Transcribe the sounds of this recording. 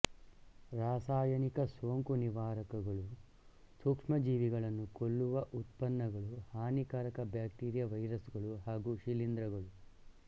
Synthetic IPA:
ɾaːsaːjɐnikɐsoːŋkuniʋaːɾɐkɐɡɐɭu | sukʂmɐd͡ʒiːʋiɡɐɭɐnːukolːuʋɐʔut̪pɐnːɐɡɐɭuhaːnikaːɾɐkɐbjaːk̚ʈiːɾjɐʋɐjɾɐsɡɐɭuɦaːɡuːʃilind̪ɾɐɡɐɭu

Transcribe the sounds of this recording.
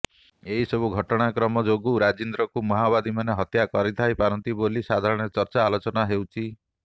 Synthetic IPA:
eɦisɔbuɡʱɔʈɔɽ̃akɾɔmɔd͡ʒoɡuɾad͡ʒind̪ɾɔkumɔɦabad̪imaneɦɔt̪jakɔɾit̪ʰajpaɾɔnt̪ibolisad̪ʱaɾɔɽ̃eɾet͡ʃɔɾt͡ʃaːlot͡ʃɔnaɦewt͡ʃʰi

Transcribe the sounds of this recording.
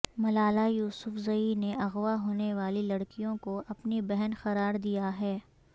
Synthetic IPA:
mɐlaːlajuːsʊfzɐineɐɣʋaɦoːneʋaːlilɐɽkijõkoɐpnibɛɦɛnxɐɾaːɾd̪ijaɦɛː

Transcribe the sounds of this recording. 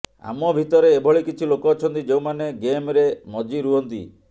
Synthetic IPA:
a̰mɔbʱit̪ɔɾeːbʱɔɭikit͡ʃʰilokɔːt͡ʃʰɔnt̪id͡ʒewmaneɡemɾemɔd͡ʒiɾuɦɔnt̪ḭ

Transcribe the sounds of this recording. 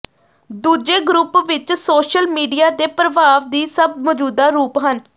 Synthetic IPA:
d̪uːd͡ʒeːɡɾʊpʋɪt͡ʃsoːʃəlmiːɖijaːd̪eːpɾəʋaːʋd̪iːsəb̚mɔːd͡ʒuːd̪aːɾuːpɦən

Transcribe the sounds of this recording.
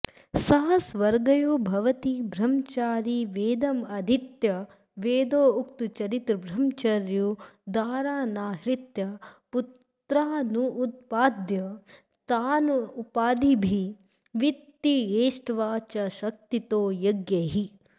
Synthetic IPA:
sɐɦɐsʋɐɾɡɐjoːbʱɐʋɐt̪ibʱɾɐmt͡ʃaːɾiʋeːd̪ɐmɐd̪ʱit̪jɐ | ʋeːd̪oːuk̚t̪ut͡ʃɐɾit̪ɾbɾɐmt͡ʃɐɾjud̪aːɾaːnaːɦɾit̪jɐput̪ | ɾaːnuːt̪̚paːd̪jɐ | t̪aːnuːpaːd̪ibʱi | ʋitt̪ːieːʃʈʋaːt͡ʃɐʃɐk̚t̪it̪oːjɐɡjɐɦi

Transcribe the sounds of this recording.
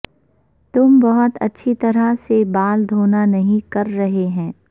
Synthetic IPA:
t̪ʊmbɐɦʊt̪ɐ̰tːʃʰit̪ɐɾasebaːld̪ʱoːnanɐɦĩkɐɾːɐɦeɦɛ̃ː

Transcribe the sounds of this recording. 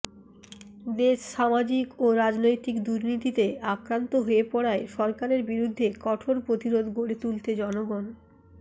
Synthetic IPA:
d̪eʃʃamad͡ʑikoɾad͡ʑnojt̪ikd̪uɾnit̪it̪eakɾant̪oɦoepɔɽaeʃɔɾkaɾeɾbiɾud̪ʱːekɔʈʰoɾpɾot̪iɾod̪ʱɡoɽet̪ult̪ed͡ʑɔnoɡon

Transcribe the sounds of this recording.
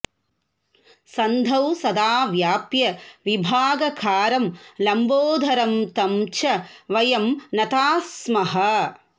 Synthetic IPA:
sɐnd̪ʱɐwsɐd̪aːʋjaːpjɐʋibʱaːɡɐkʰaːɾɐmlɐmboːd̪ʱɐɾɐmt̪ɐmt͡ʃɐʋɐjɐmnɐt̪aːsmɐɦɐ

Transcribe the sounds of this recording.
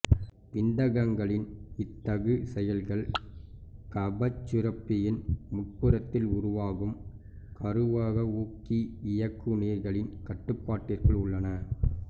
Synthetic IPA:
pɪnd̪ɐɣɐŋɡɐɭɪnɪt̪ːɐɣɯsɛjɐlɣɐɭ | kɐbɐt͡ʃːɪɾɐpːɪjɪnmʊʈ̚pɯɾɐt̪ːɪlʊɾʊʋaːɣɯm | kʰɐɾɯʋaːɣɐuːkiɪjɐkːɯneːɾɣɐɭɪnkɐʈːɯpːaːʈːɪrɣɐɭʊɭːɐnɐ

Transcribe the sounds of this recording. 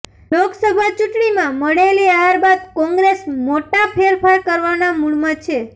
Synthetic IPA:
loksəbʱat͡ʃuʈɳimãməɽeliaaɾbad̪̚kɔ̃ŋɡɾesmoʈapʰeɾpʰaɾkəɾʋanamuɭmat͡ʃʰe

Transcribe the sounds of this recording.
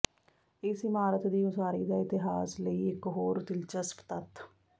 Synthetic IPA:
ɪsɪmaːɾət̪d̪iːʊsaːɾiːd̪aːɪt̪ɪɦaːsləiːɪkɦoːɾd̪ɪlt͡ʃəspt̪ət̪

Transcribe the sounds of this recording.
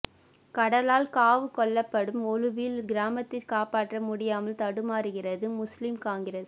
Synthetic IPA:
kɐɽɐlaːlkaːʋɯkɔɭːɐpːɐɽɯmɔlɯʋilɡɪɾaːmɐt̪ːɪkaːpaːʈrɐmʊɽɪjaːmɐlt̪ɐɽɯmaːɾɯɣɪrɐðɯmʊslɪmkaːŋɡɪɾes

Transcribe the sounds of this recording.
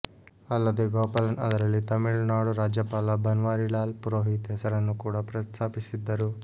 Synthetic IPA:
ɐlːɐd̪eɡoːpɐlɐnɐ̰d̪ɐɾɐlːit̪ɐmiɭnaːɽuɾaːd͡ʒjɐpaːlɐbɐnʋaːɾilaːlpuɾoːɦit̪ɦɛsɐɾɐnːukuːɽɐpɾɐst̪ʰaːpisid̪ːɐɾu

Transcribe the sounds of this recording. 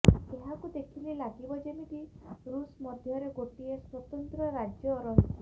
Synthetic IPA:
eɦakud̪ekʰililaɡibɔd͡ʒemiʈiɾusmɔd̪ʱjɔɾeɡoʈieswɔt̪ɔnt̪ɾɔɾad͡ʒjɔɾɔɦit̪ʰi

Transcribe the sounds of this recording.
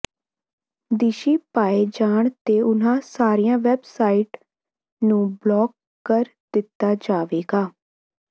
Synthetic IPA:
d̪iːʃiːpaːed͡ʒaːɳt̪eːʊnãːsaːɾiːãːʋɛbsaːiːʈ | nũːblɔːɡ | kːəɾ | d̪ɪt̪ːaːd͡ʒaːʋeːɡaː

